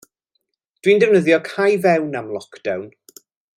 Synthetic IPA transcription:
d̥windɛwnəðjɔkʰajvɛwnamlˠɔkd̥awn

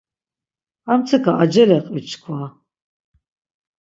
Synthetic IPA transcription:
amt͡sʰɨkʰaʔad͡ʒɛlɛqʼit͡ʃʰkʰwa

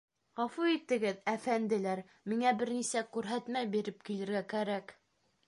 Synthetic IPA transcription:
ʁɑfuit̪ɘ̆ɡɘðæfænd̪ɘ̆læɾ | miŋæbɘɾnisækʉɾɦæt̪mæjbiɾɘp̚kilɘ̆ɾɡækæɾæk

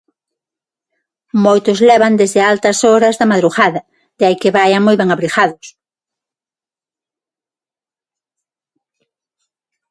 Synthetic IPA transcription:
mojt̪ʊzlɛβɐnd̪ezðɪalt̪ɐsoɾɐzðɐmaðɾuɣaðɐ | d̪ɪajkɪβajaŋmojβɛŋaβɾixaðʊs

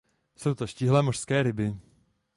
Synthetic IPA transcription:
sowt̪oʃciɦlɛːmoʃskɛːɾɪbɪ

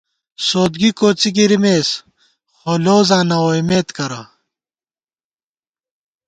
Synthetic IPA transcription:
soːd̪ɡikoːt͡siɡiɾimeːs | xoːloːzãːnɐwoimeːt̪kɐɾɐ

